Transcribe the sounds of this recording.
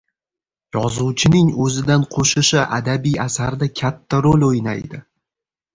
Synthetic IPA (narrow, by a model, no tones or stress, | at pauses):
jɒzuwt͡ʃʰɪnɪŋɵzɪd̪anqʰoʃɪʃɪʔa̰d̪abijasaɾd̪akʲʰat̪ʰːaɾolɵjna̰jd̪ɪ